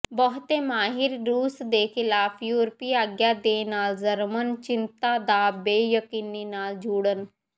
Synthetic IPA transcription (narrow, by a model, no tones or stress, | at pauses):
bəɦʊt̪emaːɦɪɾːuːsd̪eːxɪlaːfʰjuːɾpiaːɡjad̪eːnaːlzəɾmənt͡ʃɪnt̪ad̪abeːjəkiːninaːld͡ʒuːɽən